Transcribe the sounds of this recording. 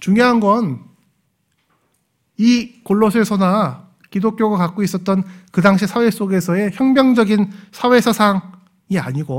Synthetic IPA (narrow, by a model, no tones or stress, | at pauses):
t͡ɕuŋjoɦanɡʌn | ikoɭːosʰeɭsʰʌna | kidok͈joɡakak͈ois͈ʌt̚t͈ʌnkɯdaŋɕʰisʰawe̞s͈oɡe̞sʰʌe̞çjʌŋmjʌŋd͡ʑʌɡinsʰawe̞sʰʌsʰaŋ | iaɲiɡo